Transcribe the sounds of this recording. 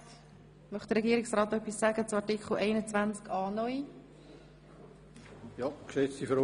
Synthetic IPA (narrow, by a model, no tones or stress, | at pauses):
mœχtd̥̪əɾɛɡiəɾɪksrɑːt̪œpːisːæɡət͡sumɑrtikχl̩ʔɛɪnət͡svænt͡skɑːnɔi | jɑksɛstifɾ